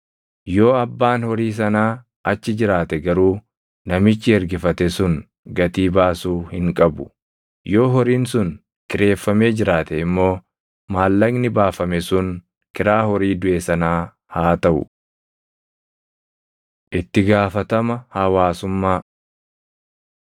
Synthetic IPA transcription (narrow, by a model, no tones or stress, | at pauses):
jo̞ːɐbːaːnhɔɾiːs̬ɐnaː | ɐt͡ʃːɪd͡ʒɪɾaːt̪ɛɡɐɾuː | nɐmɪt͡ʃːɪɛɾɡɪfɐt̪ɛsʊŋ | ɡɐt̪iːbaːsuːhɪŋkʼɐbʊ̥ | jo̞ːɦɔɾiːnsʊn | kɪɾe̞ːfːɐme̞ːd͡ʒɪɾaːt̪ɛɪmːo̞ː | maːlːɐɡnɪbaːfɐmɛsʊn | kɪɾaːhɔɾiːd̪ʊʔeːsɐnaː | haːt̪ɐʔʊ̰ | ʔɪt̪ːɪɡaːfɐt̪ɐmɐhɐwaːsʊmːaː